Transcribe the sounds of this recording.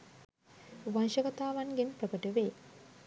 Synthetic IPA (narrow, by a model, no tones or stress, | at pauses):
ʋanʃəɡat̪aːʋanɡenprəkəʈəʋeː